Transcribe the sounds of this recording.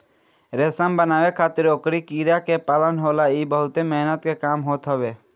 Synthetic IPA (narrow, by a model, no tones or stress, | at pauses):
ɾeːsəmbənaːʋekʰaːt̪ɪɾoːkɾikiːɾjakepaːlənɦoːlaiːbəɦʊt̪emɛɦnət̪kekaːmɦoːt̪ɦɔʋeː